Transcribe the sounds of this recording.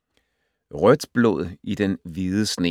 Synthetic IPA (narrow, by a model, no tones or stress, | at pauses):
ʁœd̥b̥lo̰ð̰ˠid̥enʋiðˠəsne̝